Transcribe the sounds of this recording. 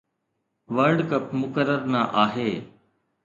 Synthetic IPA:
ʋəɾɖkəp̚mʊkəɾːəɾnaːʔaːɦeː

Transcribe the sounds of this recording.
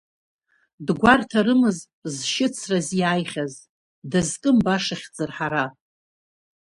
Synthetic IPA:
dɡʷartʰaɾɨmɨz | zʃɪt͡sʰrazjajχʲaz | dazkʼɨmbaʂaχʲd͡zʼɨrħaɾa

